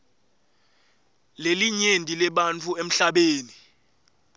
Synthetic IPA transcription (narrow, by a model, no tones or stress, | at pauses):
leliɲendʱʼilɛɓant͡fʰuem̩ɬaɓeːni